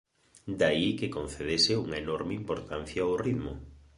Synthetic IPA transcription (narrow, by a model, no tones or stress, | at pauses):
d̪aikekon̟θeðesɪuŋɐenɔɾmeimpoɾt̪an̟θjaoriðmʊ